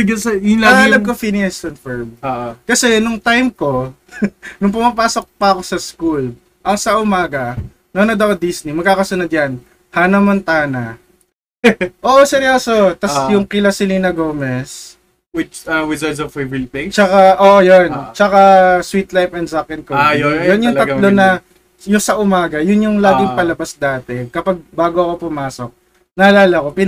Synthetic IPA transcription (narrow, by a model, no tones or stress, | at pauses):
sɪɡɐsɐjʊlɐɐlɐbkofiniɐstonfɛɹmoʔokɐsɛnʊŋt̪ajmko̞ | nʊŋp̬ʊmapaːso̞k̚pɐɐko̞sɐskul | ʔɐŋsɐʔʊmaːɡɐ | nonod̪ɐkd̪isnimɐɡ̚kaːkɐsɐnʊd̪̚jɐn | hanɐmɐnt̪aːnɐ | ʔoːʔosɛɾjosot̪ɐsjʊŋkɪlɐsɪlinɐɡo̞ːmɛs | wɪt͡ʃɐwɪzɐdsɐfevlpit͡ʃɐkaʔoːʔojont͡ʃɐkaswit̪lajfɛnd̪zakɛnkojojonjʊŋɐlonɐ | jʊsɐʔʊmaːɡɐjʊnjʊŋlaːɡɪŋpɐlɐbasd̪aːt̪ɛkɐpaɡ̚baːɡoɐko̞pʊmaːso̞k̚ | nɐɐlaːlɐko̞pɪn